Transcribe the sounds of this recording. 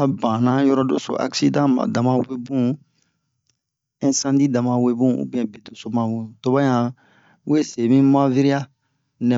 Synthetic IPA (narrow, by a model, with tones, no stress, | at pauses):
a˦bã˨nã˦jɔ˦ɾɔ˦do˦so̰˨ʔa̰˨ksi˦dã˦mã̰˨dã˨mã˦we˦bũ˦ | ɛ̃˦sã˦di˦dã˨mã˨we˦bũ˦ṵ˦bĩ˦ɛ̃˨be˨do˨so˦mã˨wũ˨to˨bã˦jã˨ | we˦se˨mĩ˦ma˦vi˦ɾi˦a˦ | nɛ̃˨